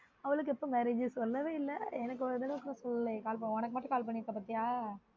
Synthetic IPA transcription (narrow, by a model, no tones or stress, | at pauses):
ɐʋɐɭɯk̬ːɯɛpːoːmɛɾeːd͡ʒɯsɔlːɐʋeːɪlːɐɛnɐk̬ːɔd̪ɐlɐɔkːɐɾɐ̃sɔlːɐlɐkaːlpɐɔnɐk̬ːɯmaːʈːɯ̃kaːlp̬ɐɳːɪɾɯkːɐpɐt̪ːɪjaː